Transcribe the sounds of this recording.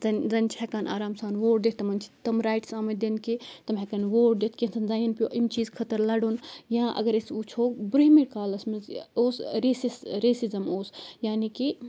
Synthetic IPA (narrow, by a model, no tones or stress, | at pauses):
zɐnzɐnt͡ʃʰɛkaːnʔa̰ːɾaːmsaːnʋoːɖ̚d̪et̪̚ʰt̪ɐmɐnt͡ʃʰi̥t̪ɐmɾaːjʈsaːmɐd̪enkit̪ɐmɦɛkɐnʋoːɖ̚d̪et̪ʰkensɐnzaːjɐnpʲjoʔimt͡ʃiːzkʰɐt̪ɐɾlɐɽoːnjãʔɐ̰ɡɐɾesut͡ʃʰoːkbuɾɦimiɾkaːlɐsmɐzoːsɾeːsisɾesizɐmoːsjaːniki